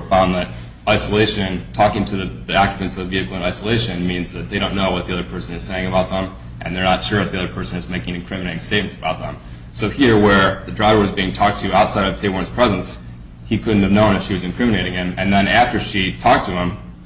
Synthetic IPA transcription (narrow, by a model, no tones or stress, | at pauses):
fãʊ̃nðɨt̚ | aɪsəleɪʃɨ̃ntʰɔkɪ̃ŋtʰɨðɨðiɑkjɨpɨ̃ntsʌvəviɨkl̩ˠə̃naɪsəleɪʃɨ̃nmĩnzðɨt̪̚ðeɪɾõʊ̃nːoʊwʌt̪̚ðiʌðə˞pʰɜ˞sɨ̃nɨz̥seɪɪ̃ŋɨbaʊt̪̚ðə̃m | ʔɨ̃nðə˞nətʃʊɹwt̪̚ðiʌðə˞pʰɜ˞sɨ̃nɨzmeɪkɪ̃ŋɨ̃nkʰɹ̥ɪ̃mɨneɪɾɪ̃ŋsteɪt̚mɨ̃n̩tsəbaʊt̪̚ðə̰̃m | soʊhiɹwə˞ðɨdɹaɪvə˞wʌzbiɪ̃ŋtʰɔk̚tʰɨaʊtsaɪɾʌv̥tʰeɪwɑ̃nz̥pʰɹ̥ɛzɨ̃ns | hikʰʊdⁿn̩tɨvnõʊ̃nɨfʃiwʌzɨ̃nkʰɹ̥ɪ̃mɨneɪɾɪ̃ŋɪ̃mɨ̃nðɨ̃næftə˞ʃitʰɔk̚tʰɨɪ̃m